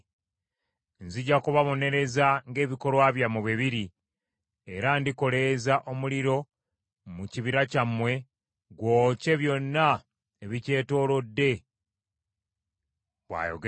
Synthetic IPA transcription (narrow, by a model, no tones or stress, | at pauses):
nziɟakuβaβo̞ne̞ɾe̞zaŋɡe̞ːβiko̞lwaːβjamuβiβiɾi | eɾandiko̞le̞zaʔo̞muliɾo̞ | muciβiɾacamwe̞ | ɡwo̞ːce̞βjo̞nːa | eβice̞ːto̞ːlo̞dːe̞ | βwa̰ːjo̰ɡ